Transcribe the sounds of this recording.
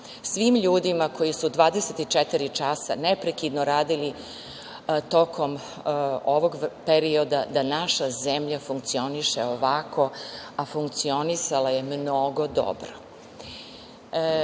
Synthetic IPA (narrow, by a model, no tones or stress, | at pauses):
sʋiːmʎuːd̪imako̞jisud̪ʋaːd̪eset̪it͡ʃet̪iɾit͡ʃasa̰nepɾekid̪noɾaːd̪ili | t̪o̞kʰo̞m | oʋoɡpeɾio̞d̪ad̪anaʃazemʎafuŋk̚t̪sio̞niʃeoʋakʰo̞afuŋkt̪sio̞nisalaje̞mnoɡo̞d̪o̰bɾo